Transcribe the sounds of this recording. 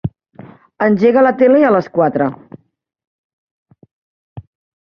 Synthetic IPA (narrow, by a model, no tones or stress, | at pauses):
ənʲʒeɣələt̪eleələskwat̪ɾə